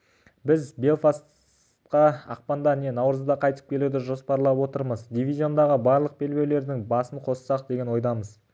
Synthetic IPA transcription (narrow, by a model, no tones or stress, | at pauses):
bɪzbe̞lˠfas | t̪qɑɑ̰q̚pɑnd̪ɑne̞nɑwɾəzd̪ɑqʰɑjt̪ə̥p̚kʲʰe̞luwd̪ɪʒo̞spɑɾlˠɑpwo̞t̪əɾməzd̪ʲivʲizʲio̞nd̪ɑʁəbɑɾlˠəq̚be̞lbe̞wle̞ɾd̪ɪŋbɑsəɴqʰo̞səsɑq̚d̪e̞ɡʲe̞nwo̞jd̪ɑməz